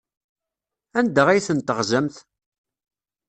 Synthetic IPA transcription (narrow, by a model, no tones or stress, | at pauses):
ænd̪əʁæjθənt̪əʁzəmθ